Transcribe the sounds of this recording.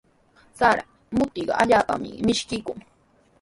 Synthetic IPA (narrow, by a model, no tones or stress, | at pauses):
t͡saɾa | mʊt̪iɢɑʔaʎaːpa̰mɪ̰mɪʃkɪkʊŋ